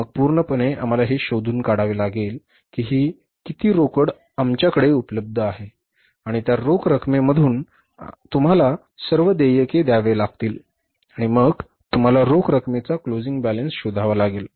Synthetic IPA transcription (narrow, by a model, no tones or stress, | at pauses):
məɡ̚puːɾɳəpəɳeʔa̰m̤alaɦeɕod̪ʱuːnkaɽaʋelaɡel | kiːɦiː | kit̪iːɾokəɽ | amt͡ɕjakəɽeupələb̚d̪ʱəaɦe | aɽ̃it̪jaɾokʰɾəkʰmeməd̪ʱuːn | t̪um̤ala | səɾʋəd̪ejəked̪jaʋelaɡ̚t̪iːl | aɽ̃iməɡ | t̪um̤alaɾokʰɾəkʰmet͡saklod͡ziŋɡbælənsɕud̪ʱaʋalaɡel